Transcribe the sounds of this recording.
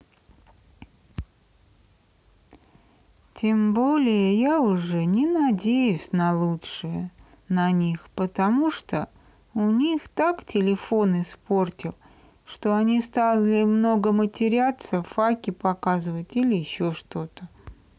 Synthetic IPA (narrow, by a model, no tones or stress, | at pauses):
tʲembo̞lʲɪjəjaʊʐɛnʲɪnɐdʲejʉsʲnɐlˠutʂɨjə | nɐnʲixpət̪ɐmuʂt̪o | ʊnʲixt̪aktʲɪlʲɪfo̞nɨspo̞rtʲɪlˠ | ʂt̪o̞ɐnʲist̪alʲˠɪmno̞ɡəmətʲɪɾʲat̪səfakʲɪpɐkazɨvətʲilʲɪjɪɕːo̞ʂt̪o̞t̪ə